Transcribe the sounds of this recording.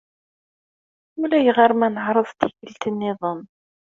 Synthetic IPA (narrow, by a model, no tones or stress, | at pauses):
ʊlæjəʁəɾˤmænəʕɾˤəðˤt̪içəlt̪ənːɪðˤəm